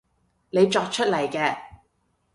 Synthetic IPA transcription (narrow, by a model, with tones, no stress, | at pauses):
ne˨˧jt͡ʃɔː˧k̚t͡ʃʰɵ˥t̚lɐ˨˩jkɛː˧